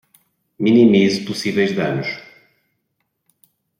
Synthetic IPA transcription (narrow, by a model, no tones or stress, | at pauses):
minimizupusivɛjʒðɐ̰nuʃ